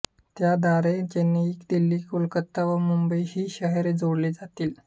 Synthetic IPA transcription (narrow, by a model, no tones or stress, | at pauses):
t̪jad̪aɾed͡ʑenːiːkd̪ilːiːkulkət̪ːaʋəmumbəjhiːɕəɦɛɾed͡zoɽliːd͡zat̪iːl